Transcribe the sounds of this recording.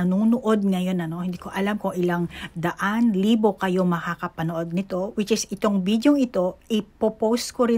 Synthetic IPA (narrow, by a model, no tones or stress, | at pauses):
ɐnoːnoʔo̞d̪̚ŋɐjo̞nɐno̞hɪnd̪iːko̞ʔɐlamkoŋʔɪlaŋd̪ɐʔanliːbo̞kɐjo̞mɐkakɐpɐnoʔo̞d̪̚nɪt̪o̞wɪt͡ʃɪsɪt̪o̞ŋbid̪joŋɪt̪o̞ʔɪpopowskoɾɪ